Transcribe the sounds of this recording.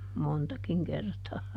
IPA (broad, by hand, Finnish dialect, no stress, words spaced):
montɑkiŋ kertɑː